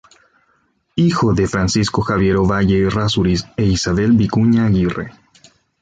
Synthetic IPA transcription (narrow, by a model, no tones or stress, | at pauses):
ixo̞ðe̞fɾansisko̞xaβje̞ɾoβaʝe̞rasuɾiseisaβe̞lbikuɲaɣirḛ